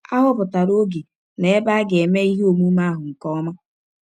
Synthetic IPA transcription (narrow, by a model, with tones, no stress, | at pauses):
a˦ɦʊ˦pʊ˨ta˨ɾo˦ɡi˨ | ne˨e˦ba˦ɡe˨me˦i˦ɦi˦o˨mu˦ma˦ɦʊ˨ŋ̩˨kɔ˦ɔ˦ma˦